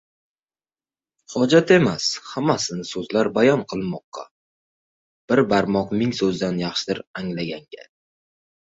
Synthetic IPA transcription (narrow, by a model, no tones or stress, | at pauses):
hɒd͡ʒat̪e̞mashamasɪnsɵzlaɾbajɒnqʰɨlˠmɒqːɑ̰ | b̥ɪɾbaɾmɒqmɪŋsɵzd̪anjɑχʃɪd̪ɪɾaŋlaɡʲaŋɡʲa̰